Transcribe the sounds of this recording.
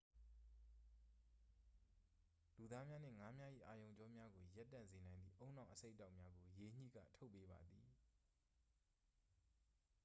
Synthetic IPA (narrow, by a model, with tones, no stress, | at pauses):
lu˨d̪a˦mja˦n̥ɪ̰̃˦˨ŋa˨˦mja˦ʔḭ˦˨ʔa˨jõ˨ʊ̃ɲd͡ʑɔ˦mja˦ɡo˨ja˦tːã̰˦˨nze˨nã˨ɪ̃nḭ˦˨ʔõ˦ʊ̃nã˨ʔəse˦ɪʔtːa˦ʊʔmja˦ɡo˨je˨ɲ̥ḭ˦˨ɡä̰˦˨tʰo˦ʊpːe˦ba̰˨d̪i˨